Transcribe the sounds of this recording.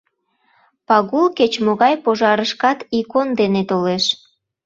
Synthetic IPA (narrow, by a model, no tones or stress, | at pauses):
pɑɣulket͡ɕmoɣɑjpoʒɑɾəʃkɑt̪ikond̪enet̪oleʃ